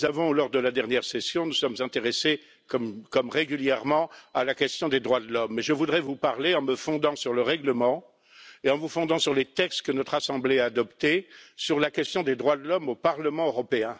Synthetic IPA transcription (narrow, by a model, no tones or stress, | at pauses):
zavɔ̃lɔʁd̪əlad̪ɛʁnjɛʁsɛsjɔ̃nusɔmzɛ̃t̪eʁese | kɔmkɔmʁeɡʲyljɛʁmɑ̃alakʲɛst̪jɔ̃d̪ed̪ʁwad̪lɔmːɛʒəvud̪ʁɛvupaʁleɑ̃məfɔ̃d̪ɑ̃syʁləʁɛɡləmɑ̃ | eɑ̃vufɔ̃d̪ɑ̃syʁlet̪ɛkst̪kənɔt̪χasɑ̃bleaːd̪ɔpt̪esyʁlakʲɛst̪jɔ̃d̪ed̪ʁwad̪əlɔmopaʁləmɑ̃øʁɔpeɛ̃